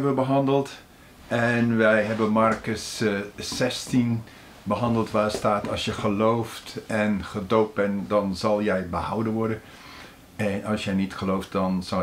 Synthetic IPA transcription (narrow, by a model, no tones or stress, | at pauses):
bəbəɦɑndəlˠt | ɛnʋɛjɦɛbənmɑɹkəsː | ɛstin | bəɦɑndəlˠtʋaːstaːtɑlˠsjəχəlowftɛnχədowt̚bɛndɑnzɑlˠjɛjbəhawdənʋɔɹdən | ɛnɑlˠsjəjnitχəlowft̚dɑnz̥ɑ